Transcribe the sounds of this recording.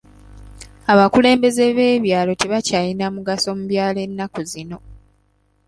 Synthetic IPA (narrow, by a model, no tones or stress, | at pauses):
aβakule̞ːmbe̞ze̞βe̞ːβjaːlo̞te̞βacaːjinamuɡaso̞muβjaːle̞nːakuzino̞